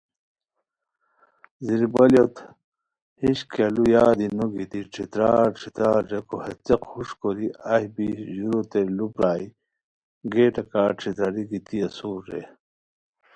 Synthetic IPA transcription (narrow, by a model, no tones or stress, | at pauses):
ziɾbɐljot̪ | hiɕkʰelujaːd̪inoɡit̪iʈ͡ʂʰit̪ɾaːɾʈ͡ʂʰit̪ɾaːɾɾɐkohɐt͡sɐqhuʂkoɾiɐhibiʑuɾot̪elupɾaːi | ɡeːʈɐkaːʈ͡ʂʰit̪ɾɐɾiɡit̪iɐsuːɾɾḛ